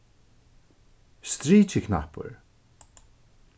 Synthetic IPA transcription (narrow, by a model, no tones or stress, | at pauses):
st̪ɹiːt͡ʃɪkʰna̰pʊ̰ɹ